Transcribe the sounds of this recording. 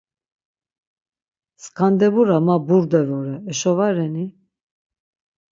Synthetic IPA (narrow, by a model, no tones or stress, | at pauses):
skʰand̪ɛbuɾamabuɾd̪ɛvɔɾɛːʃɔvaɾɛni